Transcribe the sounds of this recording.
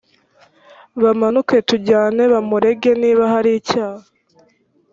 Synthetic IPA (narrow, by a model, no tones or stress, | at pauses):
βamanuke̞tuɟaːne̞βamuɾe̞ɡe̞niːβaɦaɾiːcaːha